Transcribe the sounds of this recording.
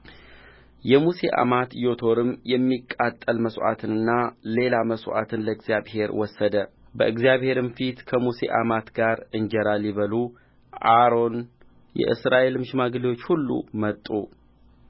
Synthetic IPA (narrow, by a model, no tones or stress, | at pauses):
jɛmuse̞̰ʔa̰mat̪jo̞t̪ʰo̞ɾɨmjɛmːikʼːat̪ʼːəlməsʔa̰t̪ʰɨnɨnːale̞laməsʔa̰t̪ʰɨnləɨɡzjaβhe̞ɾwɔsːəd̪ə | bə̰ʔɨɡzjaβhe̞ɾɨmfit̪kʰəmuse̞̰ʔa̰mat̪ɡaɾɨnd͡ʒɛɾalːiβəlu | ʔaɾo̞n | jɛ̰ʔɨ̰sɾaʔe̞lɨmʃɪmaɡliwo̞t͡ʃːhulːṵmət̪ʼːṵ